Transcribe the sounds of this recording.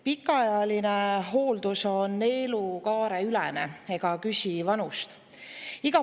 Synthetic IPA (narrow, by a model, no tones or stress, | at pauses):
pikːˑɑɑjɑlineɦo̞ːld̪̥uso̞nːe̞ːlukɑːɾeylɛnee̞ɡ̥ɑkysʲivɑnust̪ | iɡ̥ɑ